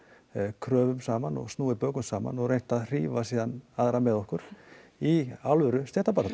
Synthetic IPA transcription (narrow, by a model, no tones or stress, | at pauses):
kʰɾœːvʏmsaːmanɔ̰ɣsnuːðɪpœːkʏmsaːma̰nɔɣɾrejn̥t̪aðr̥iːvasiːðanaðɾamɛðɔhkʏɾ̥iawlvʏɾʏst̪jɛht̪apaɾat̪